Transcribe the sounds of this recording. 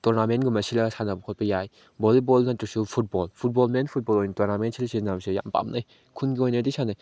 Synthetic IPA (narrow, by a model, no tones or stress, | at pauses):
tɔɾnamenɡumɐsilɐsanɐbɐkʰot̚pɐjaj | bɔlibɔlnatusupʰut̚bɔlpʰut̚bɔlmenpʰut̚bɔlojnitɔɾnamentsʰilɐsinabsija̰mpa̰mnʔaj | kʰunɡiojnɐdisʰanaj